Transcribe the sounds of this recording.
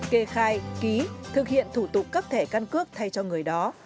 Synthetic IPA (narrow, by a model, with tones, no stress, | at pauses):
ke˧xaː˧jki˨˦t̪ʰɨ˨˩k̚hḭ˧˨ənt̪ʰu˧˩t̪ʊ˨˩k͡p̚ːaː˦˥k̚t̪ʰe˧˩ka˧nkɨ˦˥ək̚t̪ʰa˧jt͡ɕɔ˧ŋɨ˨˩əjɗɔ˨˦